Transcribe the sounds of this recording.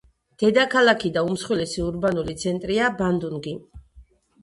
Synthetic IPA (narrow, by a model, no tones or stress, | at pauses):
d̪̥ɛd̪akʰalˠakʰid̪aumsχwilɛsiuɾbanulit̪sʰɛnt̪ʼɾiaband̪unɡi